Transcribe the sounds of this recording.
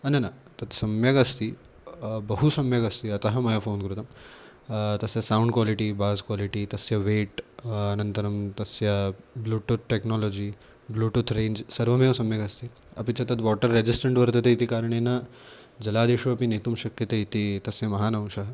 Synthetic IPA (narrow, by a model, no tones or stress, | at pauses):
ɐnɐnɐt̪ɐt̪sɐmjɐɡɐst̪i | bɐɦusɐmjɐɡɐst̪iɐt̪ɐɦɐmɐjɐfʰoːnkɾut̪ɐm | t̪ɐsjɐsawuɳɖkwaːliʈibaːskʋaːliʈit̪ɐsjɐʋeːʈɐnɐnt̪ɐɾɐmt̪ɐsjɐbluːʈut̪̚ʰʈeknɔːloːd͡ʒiː | bluːʈut̪ʰɾeːnd͡ʒsɐɾʋɐmjeʋsɐmjɐɡɐst̪iɐ̰pit͡ʃɐt̪ɐt̪ʋɔːʈɐɾːed͡ʒisʈɐɳʈʋɐɾt̪ɐt̪eit̪ikaːɾɐɳ̃eːnɐ | d͡ʒɐlaːd̪eːʃuɐpinet̪umʃɐkjɐt̪eit̪it̪ɐsjɐmɐɦaːnɐw̃ʃɐɦɐ